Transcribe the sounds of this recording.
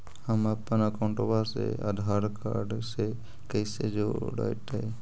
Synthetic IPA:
amapanakaɔwɳʈɔbaɾsḛa̰d̪ʱaɾka̰ɾɖse | kejsed͡ʒoɖa̰jʈaj

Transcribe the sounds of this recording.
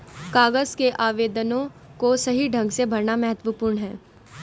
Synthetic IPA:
kaːɡəzkeʔaːʋeːd̪ənõkosɐɦiɖʱɐ̃ŋɡsebʱɐɾɳamɛɦət̪wəpuːɾɳɦɛː

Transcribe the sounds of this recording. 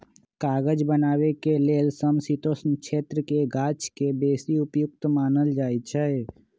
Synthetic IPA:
kaːɡəd͡ʒbənaːwekeleːlsəmsit̪oːsnkʃʰeːt̪ɾəkeɡaːt͡ʃkebeːsiʊpjʊk̚t̪maːnəld͡ʒaːit͡ʃʰae

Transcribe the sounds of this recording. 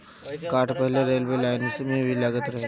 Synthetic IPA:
kaʈpəɦileɾelʋelajnisemeʋilaɡət̪ɾəɦ

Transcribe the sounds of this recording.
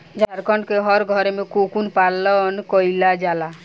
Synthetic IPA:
d͡ʒaɾkɔɳkeɦɔɾɡʱɔɾmekukunpalːɔnkɔjlad͡ʒala

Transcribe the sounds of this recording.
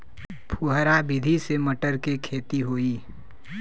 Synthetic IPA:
pʰuɦəɾabɪd̪ʱiseməʈəɾkekʰeːt̪iɦoːiː

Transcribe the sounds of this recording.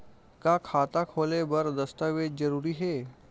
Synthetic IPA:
kakʰat̪akʰolebəɾd̪əst̪aʋed͡ʑəɾuːɾiːɦe

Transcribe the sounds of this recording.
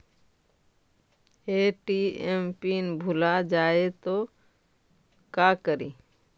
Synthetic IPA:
eːʈiempinbʱʊlad͡ʒaːet̪o | kaːkəɾiː

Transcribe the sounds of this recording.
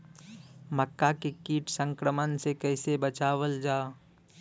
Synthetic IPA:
məkːakekiːʈʰsə̃ŋkɾəmənsekəɪsebət͡ʃaːʋəld͡ʒaː

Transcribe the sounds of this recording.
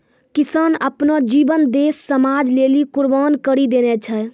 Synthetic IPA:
kisənəpnɔd͡ʒibənd̪esːəmad͡ʒlelikuɾbankəɾid̪enɛt͡ʃʰə

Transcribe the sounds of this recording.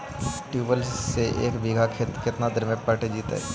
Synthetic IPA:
ʈjuːbəlsseʔḛːkbʱiːɡʱakʰet̪kɪt̪nad̪ʱəɾmẽpəʈed͡ʒiːt̪a̰ɦɛ̰ː

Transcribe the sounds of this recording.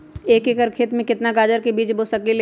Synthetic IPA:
eːkekəɾkʰeːt̪mẽkɪt̪naɡaːd͡ʒəɾkebiːt͡ʃbosɐkil

